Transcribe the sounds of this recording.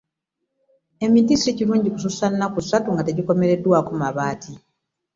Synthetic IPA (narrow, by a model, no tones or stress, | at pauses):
e̞mitisiciɾuːɲɟiku̥susanːakusːatuŋɡate̞ɟiko̞me̞ɾe̞dːwaːkumaβaːtʰi